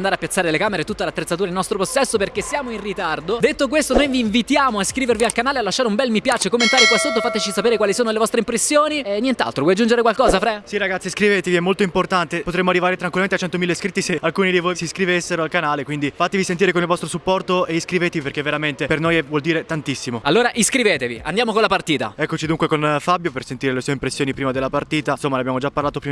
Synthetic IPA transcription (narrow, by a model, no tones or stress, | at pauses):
nd̪aɾeapːjat̪sːaːɾelekaːmeɾet̪ːut̪ːelat̪ːɾet̪sːat̪uɾailnɔst̪ɾoposːɛsːoperk̟esːjaːmoinrit̪ard̪od̪et̪ːok̬west̪onojviːɱvit̪jaːmoaskɾiːvervialkanaːlealːaʃːaːɾeumbɛlmipjaːt͡ʃekomːent̪aːɾikwasːot̪ːofaːt̪et͡ʃisapeːɾekwaːlisoːnolevɔst̪ɾeimpɾesːjoːninːjent̪a̰lt̪ɾovɔjad͡ʒund͡ʒeɾekwalkɔːzafɾɛsiɾaɡat̪sːiskɾivet̪eviɛmːolt̪oimport̪ant̪epot̪ɾemːoarːivaːɾet̪ɾanŋkwilment̪eat͡ʃɛnt̪omilːeskɾit̪ːisealkuːnid̪ivojsiskɾivesːeɾoalkanaːlekwind̪ifat̪evisent̪iɾekonilvɔst̪ɾosupːɔrt̪oeiskɾivet̪eviperkeveɾament̪epernojɛvwɔld̪iːɾet̪ant̪isːimoalːoːɾaʔiskɾiveːt̪evia̰nd̪jaːmokonlapart̪iːt̪a̰ɛkːot͡ʃid̪uŋkwekonfabjopersent̪iːɾelesueimpɾesːjoːnipɾiːmad̪elːapart̪iːt̪ansomːaneabjamod͡ʒapːarlaːt̪opɾi